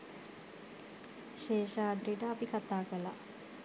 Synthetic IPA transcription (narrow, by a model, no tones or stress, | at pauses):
ʃeːʃaːd̪ɾiʈəːpikat̪aːkəla